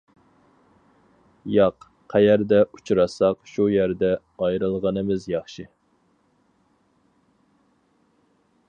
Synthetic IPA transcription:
jɑq | qʰæjæɾd̪ɛu̥t͡ʃʰuɾɑsɑqʃujæɾd̪ɛ | ɑjɾɨlˠʁənɨmɪzjɑχʃi

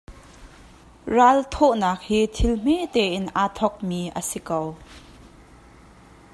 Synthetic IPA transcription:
ralt̪ʰɔʔnaːk̚hiːt̪ʰɪlm̥et̪ɛːʔɪnʔaːt̪ʰɔk̚miːʔə̰sikow

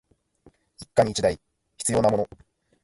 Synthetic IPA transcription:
ikːaɲ̟it͡ɕid̪ai | çʲi̥t͡sɨjo̞ːnamo̞no̞

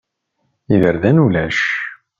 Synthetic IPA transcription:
iðəɾðænulæʃ

